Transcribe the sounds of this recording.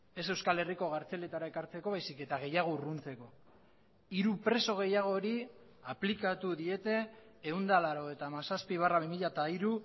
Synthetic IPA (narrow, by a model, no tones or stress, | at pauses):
e̞se̞wskale̞riko̞ɣ̞aɾt͡se̞le̞t̪aɾae̞kaɾt͡se̞ko̞βajsike̞t̪aɣ̞e̞jaɣ̞o̞runt͡se̞ko̞ | iɾupɾe̞so̞ɣ̞e̞jaɣ̞o̞ɾi | aplikat̪uðie̞t̪e̞ː | und̪alaɾo̞e̞t̪aːmasaspiβ̞araβ̞imiʎat̪aiɾu